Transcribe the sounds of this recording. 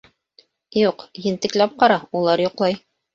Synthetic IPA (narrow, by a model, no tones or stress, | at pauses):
juqjɘ̆nt̪ɘ̆klæp̚qɑɾɑulˠɑɾjŏqlˠɑj